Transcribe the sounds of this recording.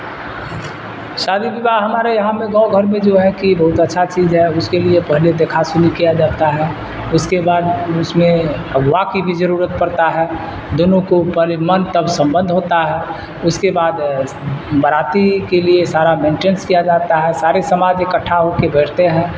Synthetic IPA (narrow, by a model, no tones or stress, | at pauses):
ʃaːd̪ʱibibaɦəmaːɾejɐɦãmẽɡə̃ʊɡʱəɾmẽd͡ʒoɦɛ̃kibɐɦʊt̪ətːʃʰat͡ʃiːzɦɛʊskeliepəɦled̪eːkʰasʊnikijad͡ʒaːt̪aɦɛː | ʊskebaːd̪ʊsmẽ | əɡʋakibʱid͡ʒəɾuːɾət̪̚pəɾt̪aɦɛː | d̪oːnõkopəɦlmənt̪əbsə̃mbə̃nd̪ʱɦoːt̪aɦɛː | ʊskebaːd̪ | bəɾaːt̪ikeliesaːɾamẽːnʈeːnskijad͡ʒaːt̪aɦɛsaːɾesəmaːd͡ʒekəʈʰːaɦokebeːʈʰt̪eɦɛ̃ː